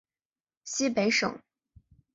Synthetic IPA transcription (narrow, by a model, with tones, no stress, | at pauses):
ɕi˥pe˧˥ɪʂɤ̰˨˩˦ŋ